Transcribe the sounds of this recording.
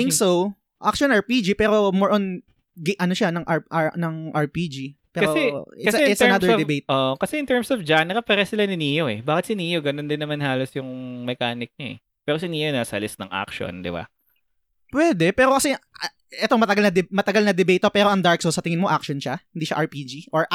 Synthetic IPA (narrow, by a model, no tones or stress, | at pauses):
ɪŋsow | ʔak̚ʃonɐɹpid͡ʒipɛːɾo̞moɹʔon | ɡʔɐnoʃanɐŋʔaʔanɐŋʔɐɹpiːd͡ʒipɛːkɐɾoɛɪkɐsɛɪt̪sɐɛnaɛɹd̪ɛbejt̪̚ʔoʔkɐsɛʔɪnt̪ɛɹmsɔvd͡ʒanɾɐpɛɾɐsɪlanɪniːjoʔɛbaːkɪt̪sɪniːjoɡɐnond̪ɪnːɐmanhaːlosjʊŋmɛkaːnɪk̚ɲoɛ̰ | pɛːɾosɪniːjonaːsɐɐlɪsnɐŋʔa̰kʃo̰nd̪ɪ̰ba̰ | pwɛːd̪ɛpɛːɾo̞kɐsɛ | ʔɛt̪oŋmɐt̪ɐɡalnɐd̪ɛmɐt̪ɐɡalnɐd̪ɪbejt̪ːopɛːɾo̞ʔɐŋd̪aɹk̚sosɐt̪ɪŋɪnmo̞ʔakʃonʃahɪniːʃa̰ʔɐɹpid͡ʒiʔoɹ